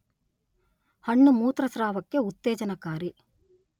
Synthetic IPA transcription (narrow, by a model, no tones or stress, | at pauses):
hɐɳːumuːt̪ɾɐsɾaːʋɐkːeut̪ːeːd͡ʒɐnɐkaːɾi